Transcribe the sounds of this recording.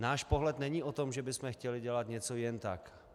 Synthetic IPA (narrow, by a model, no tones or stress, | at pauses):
naːʃpoɦlɛt̪nɛɲiːʔot̪omʒɛbɪsmɛxcɛlɪɟɛlat̪ɲɛt͡sojɛnt̪ak